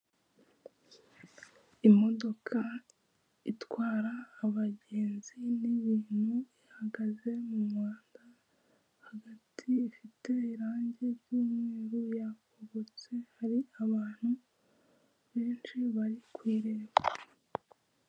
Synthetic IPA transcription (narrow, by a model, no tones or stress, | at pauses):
imo̞do̞kʰa | itwaːɾaːβaɟe̞ːnziniβiːn̥huihaɡaze̞mumŋaːnda | haɡatʰiːfite̞iɾaːɲɟe̞ɾjiːmŋeeːɾojakoβot͡se̞haɾiaβaːn̥hu | βe̞ːnt͡ʃiβaɾikwiːɾe̞ːβa